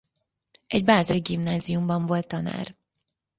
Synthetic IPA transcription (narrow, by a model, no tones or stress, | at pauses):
ɛɟbaːzɛɾiɡimnaːzijumbɒɱvo̞lt̪ːɒna̰ːr